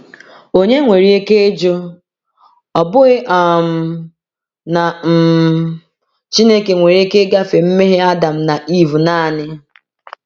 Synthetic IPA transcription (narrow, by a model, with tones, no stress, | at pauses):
o˨ɲe˦ŋʷe˨ɾi˦e˦ke˦e˦d͡ʒo˦ | ɔ˨bʊ˦ɣɪ˦ʔɔ˨m̩˨ | na˨m̩˨ | t͡ʃi˦ne˦ke˨ŋʷe˨ɾi˦e˦ke˦ɡa˦fe˨m̩˦me˦ɦe˦a˦da˨m̩˦na˨ʔi˦vu˨naː˦˨nɪ˦